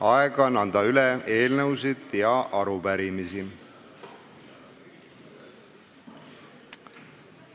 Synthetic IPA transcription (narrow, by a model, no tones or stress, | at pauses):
ɑɛɡ̥ɑnɑnd̪̥ɑylɛe̞ːlnɤwsid̪̥jɑʔɑɾupæɾimisi